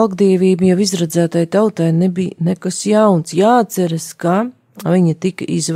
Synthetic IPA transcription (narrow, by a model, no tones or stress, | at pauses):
lˠɡd̪iɛvʲiːbjawizɾad̪zæːt̪ajt̪awt̪ajnebḭːnɛkasjawnsjaːt̪sɛɾaska | vʲiɲat̪ikɐʔiz